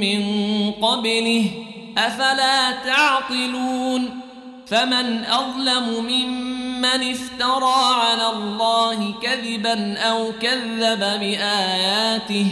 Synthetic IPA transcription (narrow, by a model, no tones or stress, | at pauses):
mɪnqɑblɪh | ʔafalaːt̪ɑʕt̪ˤɨluːn | famanʔɑðˤlamʊmɪmːanɪst̪ɑɾˤɑːʕalaːlˤːɑːhɪkaðɪbanʔawkaðːababɪʔaːjaːt̪ɪh